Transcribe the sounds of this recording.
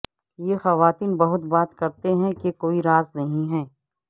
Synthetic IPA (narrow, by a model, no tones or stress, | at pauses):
jexɐʋaːt̪iːnbɐɦʊt̪baːt̪kɐɾt̪eɦɛ̃kekoːiɾaːznɐɦĩɦɛː